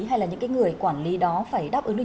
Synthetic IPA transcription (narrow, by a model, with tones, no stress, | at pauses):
ɦa˧jlaː˨˩ɲɨ̰˧˥ŋkaː˨˦ŋɨ˨˩əjkwaː˧˩nli˨˦ɗɔ˨˦faː˧˩jɗaː˦˥p̚ʔɨ˨˦n˧